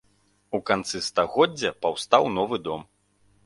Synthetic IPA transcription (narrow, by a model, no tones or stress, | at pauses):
ukant̪sɨst̪aɣɔd͡zʲːɐpawst̪awnɔvɨd̪ɔm